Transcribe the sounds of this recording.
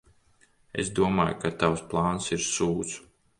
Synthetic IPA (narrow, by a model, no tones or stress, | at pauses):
ḛsd̪uɔmaːjkat̪awsplˠaːnsiɾsuːt̪s